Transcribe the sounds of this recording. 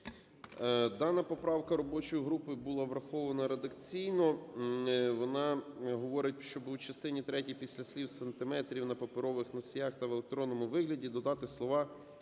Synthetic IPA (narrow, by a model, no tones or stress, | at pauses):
d̪ɑnːɐpɔpɾɑwkɐɾɔbɔt͡ʃɔjiɦɾupɪbulˠɑʋɾɐxɔʋɐnɐɾed̪ɐkt͡sʲijnɔ | ʋɔnɑɦɔʋɔɾɪt̚ʲʃt͡ʃɔbʊt͡ʃɐst̪ɪnʲit̪ɾɛtʲijpʲisʲlʲɐsʲlʲiwsɐnt̪ɪmɛt̪ɾʲiwnɐpɐpɪɾɔʋɪxnɔsʲjaxt̪ɐʋelˠek̚t̪ɾɔnːɔmʊʋɪɦlʲɐdʲid̪ɔd̪ɑt̪ɪslˠɔʋɑ